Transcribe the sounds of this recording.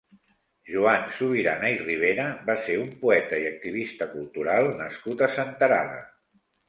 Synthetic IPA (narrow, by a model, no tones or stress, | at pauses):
ʒuansuβ̞iɾanairiβ̞eɾəβaseumpuɛt̪əiək̚t̪iβ̞ist̪əkulˠt̪uɾalˠnə̰skut̪əsənt̪əɾa̰ðə̰